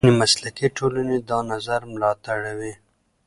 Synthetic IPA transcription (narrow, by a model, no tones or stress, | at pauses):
nimaslakiʈʰolaned̪ɑnazaɾmlɑt̪aɽawi